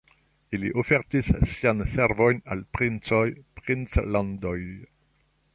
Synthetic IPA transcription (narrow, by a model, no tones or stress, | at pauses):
iliʔofeɾtisːianseɾvo̞jna̰lpɾint͡sojpɾint͡slandoj